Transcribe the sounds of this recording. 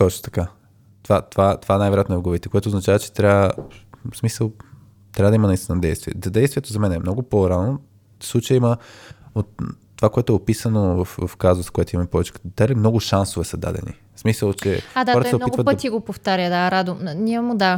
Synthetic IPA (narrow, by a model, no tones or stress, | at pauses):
t̪ɔt͡ʃno̥t̪ɐ̥ka | t̪ovat̪ovat̪ovaɛnajvɛɾojat̪nɛɡovit̪ɛkoɛt̪oznɐt͡ʃavɐt͡ʃɛ̥t̪ɾʲaəsmisəlˠ | t̪ɾʲabəd̪ɐimɐnɐist̪innd̪ɛjst̪viɛ̰zɐd̪ɛjst̪vijɛt̪ozɐmɛnɛmnɔɡʊpoɾano | slˠut͡ʃəjəimɐot̪ː | ovakoɛt̪ʊɛopisənovəfvɐfkazoskoɛt̪imɐmpɔvɛt͡ʃkd̪alimnɔɡʊʃansovɛsɐd̪a̰d̪ɛ̰nḭ | smisəlˠt͡ʃɛad̪aɔɾt̪sɛopnɔiɡit̪pəot̪iɡopoft̪aɾʲjəd̪aɾad̪ʊmnʲimʊd̪a